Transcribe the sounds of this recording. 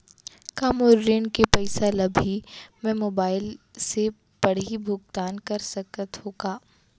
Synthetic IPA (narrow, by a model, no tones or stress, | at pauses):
kaːmoːɾːeːnkepɛɪsalɐbʱimɛ̃moːbaːɪlse | b̥ɐɽ̤ibʱʊɡt̪aːnkɐɾsɐkət̪ɦoːɡaː